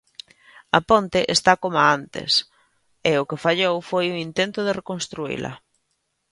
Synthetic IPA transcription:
ɐpont̪ɪʔest̪akomaant̪ɪ̰s | ɪʊkefaʎowfojʊint̪ent̪ʊð̞ɪrekonst̪ɾuḭlɐ̰

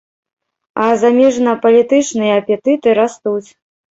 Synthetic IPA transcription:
ɐzamʲɛʐnɐpɐlʲit̪ɨt͡ʂnɨjɐːpʲɛt̪ɨt̪ɨɾast̪ut͡sʲ

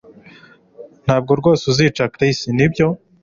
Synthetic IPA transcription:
n̥haːb̚ɡoɾɡo̞ːsuziːt͡ʃakɾisinibɟo̞

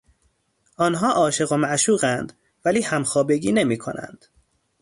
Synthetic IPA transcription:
ʔɒːnɦɒːʔɒːʃeɣo̞mæʔʃuːɣænd̪ | væliːhæmxɒːbe̞ɡiːne̞miːkʰo̰næ̰nd̪̥

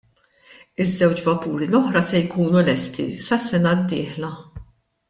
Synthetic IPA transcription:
ɪzːɛwt͡ʃvɐpuːɾilɔħɾɐsɛjkuːnulɛst̪ḭsɐsːɛnɐd̪ːɪːħlɐ

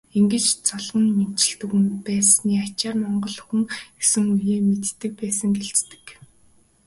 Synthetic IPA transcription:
eŋɡɘ̆t͡ɕt͡sɔɮʁə̆nmen̥t͡ɕɪ̆ɬt̪ɘ̆ɣɘ̆npæːsniːat͡ɕaːrmɔɴɢɞ̆ɮxɘ̆ŋɡesɘ̆ŋujeːmet̪ːɘ̆k̚pæːsə̆ŋɡeɬt͡st̪ɘ̥̆k

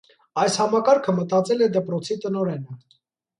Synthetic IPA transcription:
ɑjshɑmɑkɑɾkʰəmət̪ɑt͡sɛlɛd̪ɛpɾɔt͡sʰit̪ənɔɾɛnə

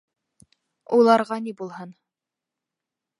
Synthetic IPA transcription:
ulˠɑɾʁɑnibulˠhɤn

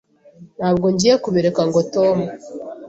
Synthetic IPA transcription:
nhaːbɡo̞ɲɟijekuβeɾekaŋɡoto̞mu

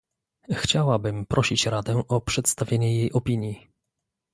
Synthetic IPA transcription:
xt͡ɕawabɘmpɾʔɔɕit͡ɕɾad̪ɛʔɔpʂɛt̪st̪avʲjeɲɛjejʔɔpʲiɲji

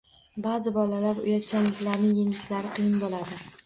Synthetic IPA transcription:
bazɪbɒlalaɾʊ̰jat̪̚t͡ʃʰʲanlɪkʲlaɾnɪŋjeŋɪʃlaɾɪqʰɨjɪnbɒlˠad̪ɪ

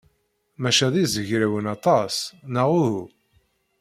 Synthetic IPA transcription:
mæʃæðizəʝɾæwənɑt̪ˤɑsnəʁuhu

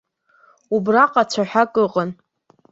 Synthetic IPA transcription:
ubraqʼat͡ɕʷʰaħʷᶣakʼɨqʼən

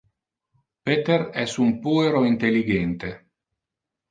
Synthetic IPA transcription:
pet̪eɾɛsumpueɾoint̪elːiɡent̪e

